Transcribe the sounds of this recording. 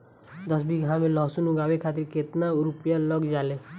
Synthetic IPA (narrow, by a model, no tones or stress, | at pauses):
d̪əsbʱiɡʱãmẽlɔɦsunʊɡaːwekʰaːt̪ɪɾket̪naɾʊpjaləɡd͡ʒaːleː